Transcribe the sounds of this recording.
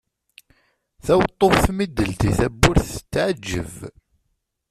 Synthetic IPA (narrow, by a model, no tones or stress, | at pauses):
θæwt̪ˤːofθmid̪ːəlt̪iθæbːʊɾθə̥t͡sːʕad͡ʒːə̰v